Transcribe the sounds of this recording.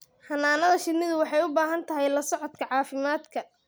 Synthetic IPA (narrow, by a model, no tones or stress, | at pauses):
hɐnːaːnɐðɐʃɪnɪðʊwɑħɑjʊbaːɦɐnt̪ʰɐɦɛjlɐsɔʕɔd̪kʰɐʕɑːfɪmaːd̪kʰɐ